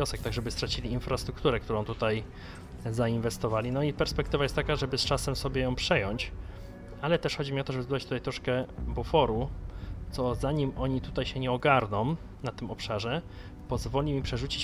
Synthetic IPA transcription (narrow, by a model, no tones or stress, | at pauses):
ɔsɛk̚t̪aɡʐɛbɘst̪ɾat͡ɕilʲiːnfɾast̪ɾuk̚t̪uɾɛkt̪uɾɔ̃w̃t̪ut̪aj | zainvɛst̪ɔvalʲinɔipɛɾspɛk̚t̪ɘvajɛst̪t̪ːakaʐɛbɘst͡ʂasɛmsɔbʲjɛjɔ̃w̃pʂɛjɔɲt͡ɕ | alɛt̪ɛʂxɔd͡ʑimʲiɔt̪ɔʐɛbɘzɔat͡ɕt̪ut̪ajt̪ɾɔʂkɛbufɔɾut̪sɔzaɲimɔɲit̪ut̪ajɕɛɲɛɔɡaɾnɔ̃w̃ | nat̪ɘmɔpʂaʐɛ | pɔzvɔlʲimʲipʂɛʐut͡ɕit͡ɕ